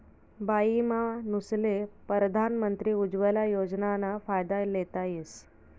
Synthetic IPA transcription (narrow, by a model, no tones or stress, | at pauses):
baimanuslepəɾəd̪ʱanmənt̪ɾiːud͡zʋəlajod͡znanafajd̪alet̪ajes